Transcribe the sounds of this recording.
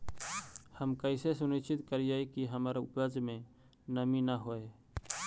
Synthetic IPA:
həmkəɪsesʊnɪt͡ʃɪt̪kəɾid͡ʒaːikiɦəmaːɾaʊpɾəzmẽ | nəminaɦoːeː

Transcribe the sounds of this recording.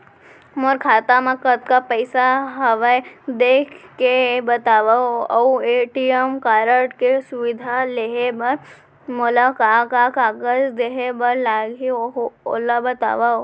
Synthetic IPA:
mɔɾkʰaːt̪amãkət̪kapəɪsaɦɐʋəd̪eːkʰkebɐt̪aːʋaoɐueːʈijəmkaːɾəʈkesʊʋɪd̪ʱaleɦebɐɾ | mʊlakaːkakaːɡəd͡ʒd̪eːɦebɐɾlaːɡioo̰labɐt̪a̰ːʋao

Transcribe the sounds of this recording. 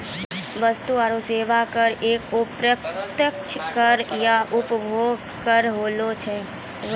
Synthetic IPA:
ʋəst̪uaːɾoseːʋakəɾeːkʊpɾət̪jəkt͡ʃʰkəɾjaʔʊpbʱoːɡ | kəɾɦoːlot͡ʃʰɛ

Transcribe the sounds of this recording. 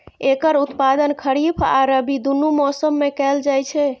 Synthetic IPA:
ekəɾut̪pad̪ənkʰəɾibʰa̰ɾəbid̪unumɔsəmːekɛld͡ʒajt͡ʃʰɛ

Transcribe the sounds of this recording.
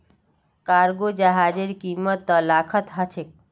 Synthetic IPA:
kaɾɡod͡ʒəɦad͡ʒeɾkimət̪ːəlakʰət̪ɦət͡ʃʰek̚

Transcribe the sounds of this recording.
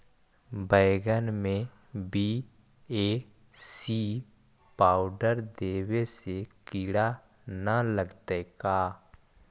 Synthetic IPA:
bəɪɡənmẽ | bi | e | si | paːʊɖəɾd̪eːwesekiːɽa | nələɡt̪ekaː

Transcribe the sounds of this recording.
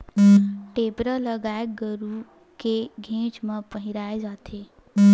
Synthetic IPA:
ʈeːpɾaləɡaːeɡəɾu | keɡʱẽːt͡ʃmə̃pəɦɪɾaːed͡ʒaːt̪ʰeː

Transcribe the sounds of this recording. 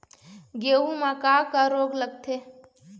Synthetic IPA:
ɡeːũmãkaːkəɾoːɡləɡ̚t̪ʰeː

